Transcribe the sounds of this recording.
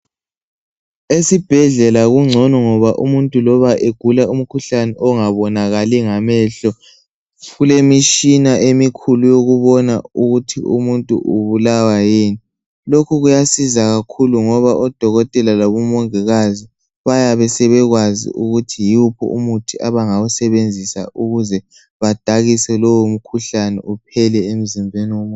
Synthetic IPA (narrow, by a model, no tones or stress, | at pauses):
esib̥ʱɛɮɛlaɣuŋ͡ǀʱɔnɔŋɔβaʔumuntʼulɔβaʔeɡ̥ʱulaum̩kʰuɬanɛʔɔŋaβɔnaɣaliŋamɛɬɔ | ɣulemiʃinaʔemikʰulujoɣuβɔnauɣutʰḭṵmuntʼṵʔuβulawajiːni | lokʰuɣujasizaɣakʰuluŋɔβaʔɔd̥ʱɔɣɔtʼɛlalaβɔmɔŋɛɣazi | βajaβɛsɛβɛɣwazḭʔuɣutʰijiupʰɔ̰ṵmutʰiʔaβaŋawɔsɛβend͡zʱisa̰ʔuɣuzɛ | βad̥ʱaɣisɛlowom̩kʰuɬanɛ̰ʔup̚ʰɛlɛem̩zimbʱeniwom